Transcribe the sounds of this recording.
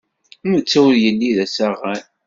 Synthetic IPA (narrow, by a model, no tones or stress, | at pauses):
mət͡sːuwjəlːiðæsæʁæn